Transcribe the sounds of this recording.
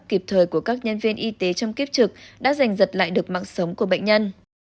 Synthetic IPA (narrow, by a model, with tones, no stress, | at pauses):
ki˨˩p̚t̪ʰəː˨˩jku˧˩əkaː˦˥k̚ɲə˧nvi˧ənʔi˧t̪e˨˦t͡ɕɔ˧wŋ͡mki˦˥p̚t͡ɕɨ˨˩k̚ɗa̰ː˧˥za˨˩jŋ̟zə˨˩t̚la̰ː˧˨jɗɨ˨˩ək̚ma̰ː˧˨ŋsə˨˦wŋ͡mku˧˩əɓə̰˧˨ŋ̟ɲə˧n